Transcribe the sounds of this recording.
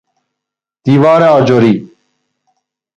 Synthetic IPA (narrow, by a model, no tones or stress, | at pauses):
t̪iːʋaːɾaod͡ʒoːɾiː